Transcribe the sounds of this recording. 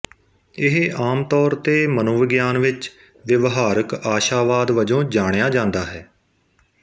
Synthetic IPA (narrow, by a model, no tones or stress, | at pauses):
ɪɦʔaːmt̪ɔːɾt̪eːmənoːʋɪɡjaːnʋɪt͡ʃ | ʋɪʋɦaːɾəkaːʃaːʋaːd̪ʋəd͡ʒõːd͡ʒaːɽjaːd͡ʒãːnd̪aːɦɛː